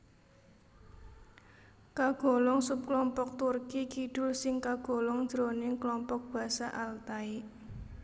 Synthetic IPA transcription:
kaɡ̥o̤lɔŋsup̚klɔmpɔk̚t̪urkikiɖ̥ʊ̤lsɪŋkaɡ̥o̤lɔŋ̥d̥ɾonɪŋklɔmpɔk̚b̥ä̤saʔalt̪ai

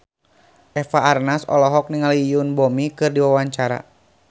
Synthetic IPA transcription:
ʔɛfaːrnasɔ̰lɔɦɔk̚niŋalijunbɔmikɨrdiwawaɲt͡ʃaɾa̰

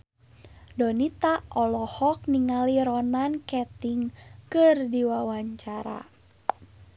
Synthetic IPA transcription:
dɔnit̪aʔɔlɔhɔk̚niŋaliɾɔnankɛt̪iŋkɨrdiwawaɲt͡ʃaɾa̰

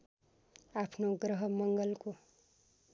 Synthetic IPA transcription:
apʰnoɡrʌɦʌmʌŋɡʌlko

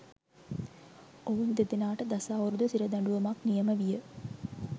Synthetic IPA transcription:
oʋund̪et̪ɪnaːʈɐd̪ɐsaːɔɾɯd̪ɐsɪɾɐd̪ɐɳɖuʋɐmaːknɪjɐmɐʋɪjɐ

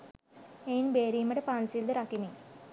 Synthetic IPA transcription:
ejnbeːɾijmɐɽepaːnsild̪ɨɾakːini

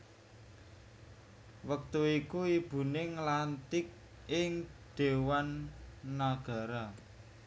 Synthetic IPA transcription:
wək̚t̪uikuib̥ṳneŋlant̪ɪk̚ | ɪŋd̪̥e̤wanː | aɡ̥a̤ɾa

